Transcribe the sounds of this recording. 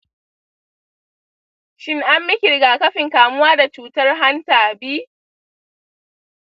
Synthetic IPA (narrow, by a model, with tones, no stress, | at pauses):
ʃɪ˦ŋʔa˦mːɪ˦kʲɪ˨ɽɪ˨ɡaː˨kɐ˦ɸɪ˨ŋkaː˨mʊ˦waː˦da˨t͡ʃuː˦tɐ˦rɦa˦ntaː˨biː˦